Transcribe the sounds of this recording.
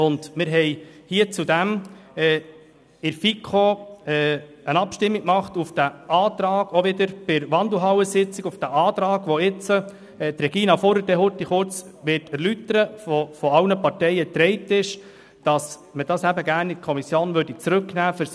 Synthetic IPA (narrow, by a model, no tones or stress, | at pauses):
ʊnd̥mɪɾɦɛɪhiət͡sudæmɛː | ɪɾfikʰoɛː | ənɑpʃtɪmːiɡmɑχtufd̥æʔɑːt̪ɾɑːɡ̥oʋɪd̪əɾb̥ɪɾʋɑnd̪l̩ɦɑwəsɪt͡sɪɡufd̥æʔɑːt̪ɾɑːɡ̥ʋɔɪt͡sə | t̪ɾɛɡ̥iːnɑfɔɾədɛɦʊtːiχʊɾt͡s | ʋɪtæɾlytəɾəfɔfɔɑwnəpɑɾtɛɪət̪ɾɛɪtɪʃ | d̥ɑs | məd̥ɑsæbəɡæːɾnɪtkʰɔmisjoːnʋøːɾd̥it͡sɾɵknæːfəɾs